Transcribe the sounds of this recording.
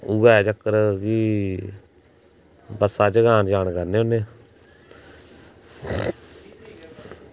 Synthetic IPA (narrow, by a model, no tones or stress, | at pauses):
uɡaːt͡ʃəkːəɾki | bəsaːt͡ʃəɡaːnd͡ʒaːnkəɾneːʊnːeː